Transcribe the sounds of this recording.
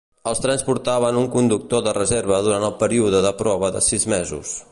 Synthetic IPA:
əlˠst̪ɾɛnspuɾt̪aβənuŋkund̪uk̚t̪oðərəzeɾβəðuɾant̪əlˠpəɾiuðəðəpɾɔβəðə̰sizmezṵs

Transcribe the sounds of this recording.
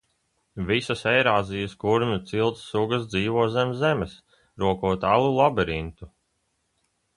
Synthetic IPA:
visɐsɛjɾaːzijɐskuɾmʲut̪silˠt̪sːuɡɐs̬d̪ziːvuɔzɛmzɛmɛs | ɾuɔkuɔt̪alˠulˠɔbɛɾint̪u

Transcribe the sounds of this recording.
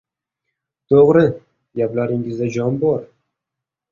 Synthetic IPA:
t̪ʰoʁɾɪ | ɡʲaplaɾɪŋɪzd̪ad͡ʒɒnbɒɾ

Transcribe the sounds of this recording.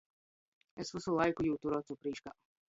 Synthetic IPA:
esvɪsulˠajkujut̪uɾɔːt̪supɾiːʃka

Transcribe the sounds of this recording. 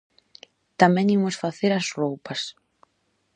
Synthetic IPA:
t̪amɛ̃ŋimʊsfaθeɾɐzrowpɐs

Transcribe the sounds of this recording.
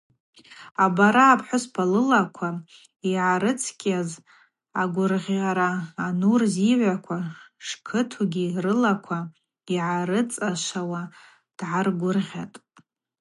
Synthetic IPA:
abaɾaːpʰħʷʊspʰalɨlakʷʰa | iʕaɾɨt͡sʰkʲʼaz | aɡʷʊrʁʲaɾaːnurziʕʷakʷʰaʂkʰɨtʰuɡʲirɨlakʷʰa | iʕaɾɨt͡sʼaʃʷawa | d̥ʕarɡʷʊrʁʲa̰tʼ

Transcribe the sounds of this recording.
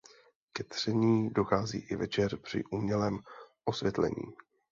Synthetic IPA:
kɛt̪r̝̥ɛɲiːdo̞xaːzḭːʔɪvɛt͡ʃɛrpr̥ɪ̰ʔuːmɲɛlɛːmʔo̞svjɛt̪lɛ̰ɲḭː

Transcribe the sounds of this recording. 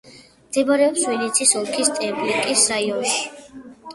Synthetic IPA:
md̪̥ɛbaɾɛɔpswɛnit̪sʰisɔlˠkʰist̪ʼɛblikʼisajɔʃ

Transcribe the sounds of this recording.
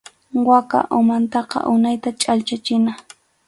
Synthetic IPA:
waka̰ʔʊmant̪ɑqɑ̰ʔʊnajt̪at͡ʃʼalt͡ʃat͡ʃɪna

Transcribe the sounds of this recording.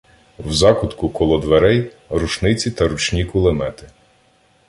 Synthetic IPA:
wzɑkʊt̪kʊkɔlˠɔd̪ʋeɾɛj | ɾuʃnɪt͡sʲit̪ɐɾut͡ʃnʲikʊlˠemɛt̪ɪ

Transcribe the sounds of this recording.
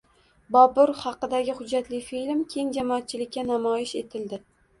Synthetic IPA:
bɒbʊɾhɑqɨd̪aɡʲɪhʊd͡ʒːat̪lɪfilmkʲʰe̞ŋd͡ʒamɒːt̪̚t͡ʃʰɪlɪkʲːanamɒjɪʃe̞t̪ʰɪld̪ɪ

